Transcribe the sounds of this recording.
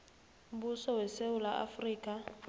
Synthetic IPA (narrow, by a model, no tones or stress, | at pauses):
m̩busɔwɛseʊlaʔa̰friːkʼa